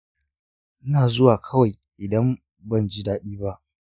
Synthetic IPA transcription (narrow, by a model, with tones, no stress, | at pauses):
ʔɪ˦naː˨zʊ˦waː˨kʰɐ˦wa˨j | ʔɪ˨dɐ˦m | bɐ˦˨nd͡ʒi˦daː˦ɗiː˦ba˦ʔ